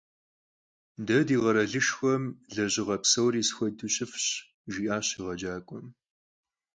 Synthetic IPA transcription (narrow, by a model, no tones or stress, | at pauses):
dɐdiːʁɐɾɐɮɨʃxʷɔmɮɐʑɪʁɐpsɐwriːsxʷɔduɕʼɪfɕ | ʒiːʔaːɕiːʁɐd͡ʒaːkʷʼɔm